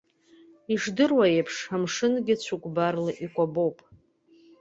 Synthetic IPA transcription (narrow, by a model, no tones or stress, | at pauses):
iʂdɨrwaejpʰʂamʂɨnɡʲɪt͡ɕʷʰukʷʼbarlaʔikʷʼabowpʼ